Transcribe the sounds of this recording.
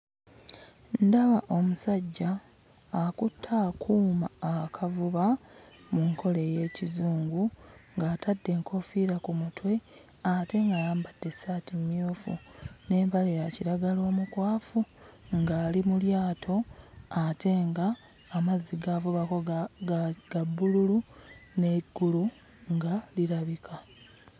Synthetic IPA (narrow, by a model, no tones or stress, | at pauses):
ndaβaʔo̞musaɟːaː | kutʰːaːkʰuːmaːkʰavuβa | muŋkʰo̞le̞je̞ːcizuːŋɡuŋɡaːtadːe̞ːŋkʰo̞fiɾakumutwe̞ | ate̞ŋɡaːjaːmbad̥ːe̞saːtimmjoːfṵne̞ːmpalejaciɾaɡalo̞ːmukwaːfuŋɡaːlimuljaːtʰo̞ate̞ŋɡaː | mazːiɡavuβako | ɡ̥abːululune̞ɡːulu | ŋɡaliɾaβikʰa